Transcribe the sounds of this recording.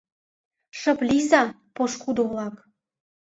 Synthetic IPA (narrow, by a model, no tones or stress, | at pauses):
ʃə̆plizɑ | poʃkud̪olɑk